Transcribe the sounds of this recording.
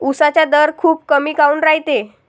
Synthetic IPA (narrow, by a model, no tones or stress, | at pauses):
usat͡ɕjad̪əɾkʰuːp̚kəmiːkauːnɾaɦit̪e